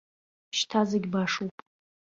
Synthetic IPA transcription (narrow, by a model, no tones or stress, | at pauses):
ʃtʰazeɡʲbaʂupʼ